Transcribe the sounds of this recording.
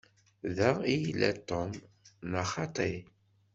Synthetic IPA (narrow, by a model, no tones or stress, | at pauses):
ðæijlæ̰t̪ːɔm | nɑχɑt̪ˤi